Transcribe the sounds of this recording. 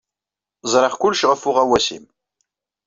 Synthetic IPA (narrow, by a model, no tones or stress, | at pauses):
zˤɾəχkʊlːʃʁəfʊʁæwæsḭm